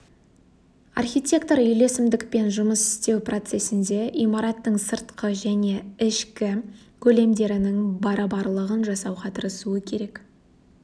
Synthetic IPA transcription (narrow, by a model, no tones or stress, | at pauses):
ɑ̰rxʲijt̪ʲe̞kt̪o̞ɾʏjle̞sɪmd̪ɪkpe̞nʒʊməsɪ̥st̪e̞wpro̞t̪se̞sɪnd̪e̞ʔimɑɾɑt̪ːəɴsəɾt̪qʰəʒæne̞ɪʃkʲɪ | kʲʰɵle̞md̪e̞ɾɪnɪŋbɑɾɑbɑɾlˠəʁənʒɑsɑwqɑt̪ʰəɾəsuəkʲʰe̞ɾe̞k